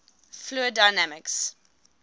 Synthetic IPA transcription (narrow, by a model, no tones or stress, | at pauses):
fluədaɪnamɪks